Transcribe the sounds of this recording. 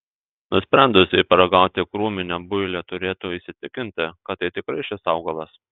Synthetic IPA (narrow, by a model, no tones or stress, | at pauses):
nʊsʲpʲɾʲɛnd̪ʊsʲɪpɐɾɐɡɐʊt̪ʲɪkɾuːmʲɪnʲɛbʊjlʲɛt̪ʊɾʲeːt̪ʊiːsʲɪt̪ʲɪkʲɪnʲt̪ʲɪkɐt̪ːɐɪt̪ʲɪkɾɐɪʃʲɪsɐʊɡɐlˠɐs